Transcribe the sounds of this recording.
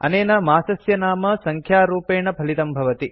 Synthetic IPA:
ɐ̰neːnɐmaːsɐsjɐnaːmɐsɐŋkʰjaːɾuːpeːɳɐpɐlit̪ɐmbʱɐʋɐt̪i

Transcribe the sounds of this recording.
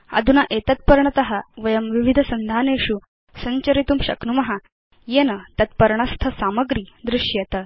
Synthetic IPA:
ɐ̰d̪ʱunaʔet̪ət̪̚pəɾɳət̪ɐɦaʋəjəmʋiʋid̪ʱəsənd̪ʱaneɕu | səɲt͡ɕəɾit̪uːmɕɐ̰knumɐɦa | jenət̪ɐt̪̚pəɾɳast̪ʰəsaməɡɾiːd̪ɾuʂjet̪ə

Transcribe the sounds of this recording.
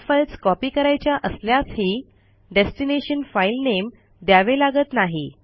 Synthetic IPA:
fəlt͡skɔpiːkəɾajt͡ɕjaʔəsljashiː | ɖesʈineɕənfailnem | d̪jaʋelaɡət̪naɦi

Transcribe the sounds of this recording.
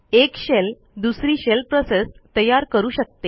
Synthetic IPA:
ekɕel | d̪usɾiːɕelpɾosest̪əjaɾkəɾuːɕək̚t̪e

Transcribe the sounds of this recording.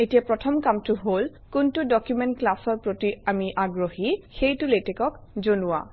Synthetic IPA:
etijapɹɔtʰɔmkamtʊɦol | kuntudɔkjumɛntklasɔɹpɹotiamiʔaɡɹohixejtʊletɛkɔk | zonua̰

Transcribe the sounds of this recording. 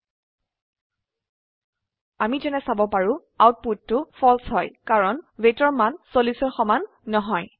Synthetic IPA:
amizɛnɛsabɔpaɹʊ̃ | awt̚putːʊfʰɔlsɦɔjkaɹɔnvetɔɹmansolisɔɹxɔmanː | ɔɦɔj

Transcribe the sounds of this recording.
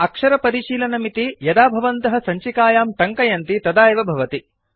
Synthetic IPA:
ɐkʂɐɾɐpɐɾiʃiːlɐnɐmit̪ijɐd̪aːbʱɐʋɐnt̪ɐɦɐ̆sɐɲt͡ʃikaːjaːmʈɐŋkɐjɐnt̪it̪ɐd̪aːjɐʋɐbʱɐʋɐt̪i

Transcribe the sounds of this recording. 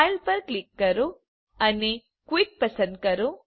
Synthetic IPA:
ajlpɐɾklikːɐɾu | ɐnːe | kwik̚pɐsɐnd̪̚kɐɾu

